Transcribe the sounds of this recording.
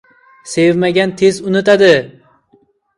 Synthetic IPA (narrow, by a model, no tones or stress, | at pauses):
sevmaɡʲant̪ʰezʊnɪt̪ad̪ɪ